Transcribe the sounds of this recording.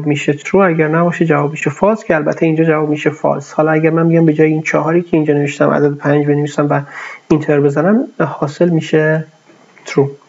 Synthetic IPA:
bmiːʃet̪ʰɾuæɟæɾnæbɒːʃed͡ʒævɒːbmiːʃefɒːɾscʲʰeælbæt̪ʰːeiːnd͡ʒɒːd͡ʒævɒːbmiːʃefɒ̰ɾshɒːlɒæɟæɾmænmiɟæmbe̞d͡ʒɒːjeiːnt͡ʃʰɒɦɒːɾiːcʲʰeind͡ʒɒːneveʃt̪æmʔæ̰d̪æd̪epʰænd͡ʒbe̞nevisæmvæint̪ʰeɾbezænæmhɒːse̞lmiːʃe | t̪ʰɾu

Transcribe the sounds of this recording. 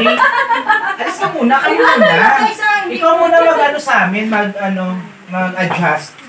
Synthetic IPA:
ʔɐlisk̪ɐmuːnɐkɐjumʊnɐjanʔɪkawmuːnɐmɐɡʔɐnosɐʔaːmɪnmɐɡ̚ʔɐno̞ | mɐɡ̚ʔɐd͡ʒast̪̚

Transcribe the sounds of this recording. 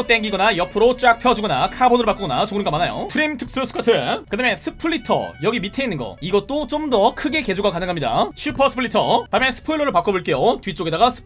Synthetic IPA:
t͈e̞ŋɡiɡʌnajʌpʰɯɾot͡ɕ͈ak̚pʰjʌd͡ʑuɡʌnakʰabodɯɾɭpak͈uɡʌnat͡ɕoŋnɯnɡʌmanajo̰tʰɯɾimtʰɯk̚s͈ɯsʰɯ̥kʰatʰɯekɯdame̞sʰɯpʰɯɭːitʰʌ̰jʌɡimitʰe̞inːɯnɡʌ̰iɡʌt̚t͈ot͡ɕ͈omdʌkʰɯɡe̞ked͡ʑoɡakanɯŋɦamɲida̰t͡ɕʰɥipʰʌsʰɯ̥pʰɯɭːitʰʌtamesʰɯ̥pʰoiɭːoɾɯɭpak͈oboɭk͈e̞jotɥit͡ɕ͈oɡe̞daɡasʰɯ̥

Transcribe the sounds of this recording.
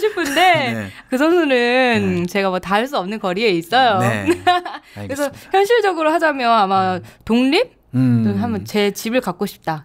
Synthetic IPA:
ɕʰipʰɯnde̞kɯsʰʌnsʰunɯnt͡ɕe̞ɡamwʌtaaɭs͈uʌmnɯnkʌɾie̞is͈ʌjo | kɯɾesʰʌçjʌnɕʰiɭd͡ʑʌɡɯɾoɦad͡ʑamjʌnamatoŋʎip̚ | tonɦamʌnt͡ɕe̞t͡ɕibɯɭkak̚k͈oɕʰi̥p̚t͈a

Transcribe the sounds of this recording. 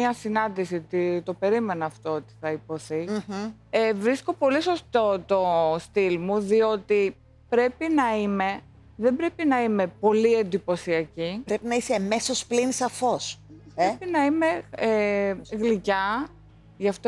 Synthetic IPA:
ɐsinɐnd̪isiot̪it̪o̞pe̞ɾime̞nɐːft̪o̞ot̪i̥θɐipo̞θi | evɾisko̞po̞liso̞st̪o̞t̪o̞st̪ilmuðio̞t̪i | pɾe̞pinɐime̞ | ðe̞mbɾe̞pinɐime̞po̞lie̞nd̪ipo̞siɐcipɾe̞pinɐisemesosplinsɐfospɾepinɐime̞eɣlicɐ | ʝɐft̪o

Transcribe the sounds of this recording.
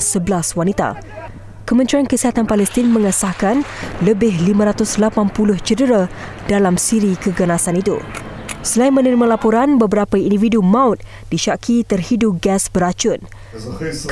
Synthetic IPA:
səbəlaswanit̪a̰ | kəmənt̪ɾiankəsiɦat̪anpalɛst̪inmə̃ŋəsahkanləbɪɦlimə̃ɾat̪ʊslapanpulʊht͡ʃədəɾa | dalamsiɾikəɡənasanit̪ṵ | səlainmə̃nəɾimãlapoɾanbəbəɾapəindividumãʊt̪̚ | diʃakʰit̪ərhidup̚ɡɛsbəɾat͡ʃʊn̚ | k

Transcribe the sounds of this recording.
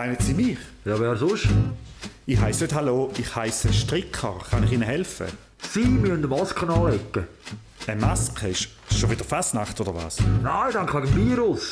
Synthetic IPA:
maɪnətsiːmiːχjɑːʋɛːɾsʊʃ | iχɦaɪsnøthaloːiχhaɪsəʃtʁɪkʰəʁχɑnɪχiːnəɦɛlfə̰ | siːmyəndəmɑskənɑːlɛkːə | əmaskʰəɪʃ | ʃʃovɪd̥əfasnaχtoːdəʁva̰ːsnaɪdɑŋkʋɛɡəmviːɾʊs

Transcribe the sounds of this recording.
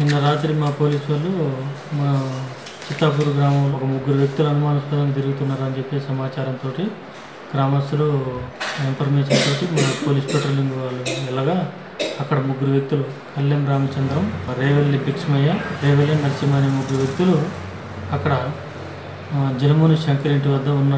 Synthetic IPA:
indɐɾaːt̪ɾimaːpo̞ːliːsʋɐlːu | mɐnɐ | t͡ʃit̪ːaːp̬uːɾuɡɾaːmɐmloɔkɐmuɡːuɾuʋjek̚t̪uluɐnumaːnɐspɐd̪ɐŋɐt̪̬iɾuɡut̪unːaːɾɐnt͡ʃe̞pːeːsɐmaːt͡ʃaːɾɐnt̪oːʈi | ɡ̥ɾaːmɐst̪ɐlu | impʰɐɾmeːʃɐnt̪o̞ːʈimɐnɐpo̞ːliːspeʈroːlːiŋɡʋaːluɛlːɐːɡaː | ɐkːɐɽɐmuɡuɾuʋjek̚t̪ulu | kʰɐlːɐmɾaːmɐt͡ʃɐnd̪ɾɐmɾeːʋɐlːipiksmɐjːɐɾeːʋɐljɐnnɐɾt͡ʃimaːnimuɡuɾuʋjek̚t̪ulu | ɐkːɐɽɐ | d͡ʒɐnɐmuːnusɐŋkileɳʈiʋɐd̪ːɐunːa

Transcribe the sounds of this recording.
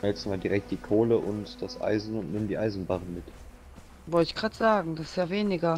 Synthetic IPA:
ɛlksmaːldiʁɛk̚td̥iːkʰoːləʔʊntd̥asʔa̰ɪzn̩ʊntnɪmdiːʔaɪzn̩baʁən̩mɪt | vɔltɪçɡ̥ʁaːtz̥aːɡŋ̩d̥asjaːveːnɪɡɐ

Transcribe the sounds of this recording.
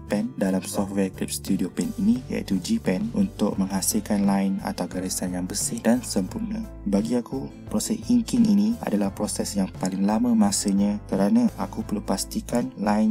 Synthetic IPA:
pɛndalamsɔft̚wɛklip̚st̪udiopɛninija̰ḭt̪ud͡ʒipɛnunt̪ʊk̚mə̃ŋɦasilkanlaɪna̰t̪awɡaɾisanjaŋbəsɪhdansəmpurnə̃ | baɡiaku | pɾosɛsiŋkɪŋʔinia̰dalahpɾosɛsjaŋpalɪŋlamə̃masəɲãkəɾanaakupərlupast̪ikanlaɪn

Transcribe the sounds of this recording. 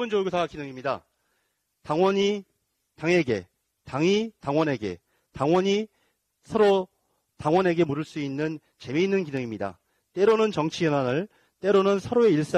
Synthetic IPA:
ɯnd͡ʑoɡotakinɯŋimɲida | taŋwʌɲi | taŋe̞ɡe̞ | taŋitaŋwʌne̞ɡe̞̰ | taŋwʌɲi | sʰʌɾo | taŋwʌne̞ɡe̞muɾɯɭs͈uinːɯn | t͡ɕe̞meinːɯnkinɯŋimɲida̰ | t͈e̞ɾonɯnt͡ɕʌŋt͡ɕʰijʌnanɯɭ | t͈e̞ɾonɯnsʰʌɾoe̞iɭs͈a

